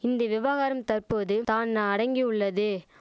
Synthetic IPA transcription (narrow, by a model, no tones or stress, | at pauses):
ɪnd̪ɐʋɪʋaːɣaːɾɐmt̪ɐɾpoːðɯt̪aːnːɐɐɽɐŋɡiʊɭːɐðɯ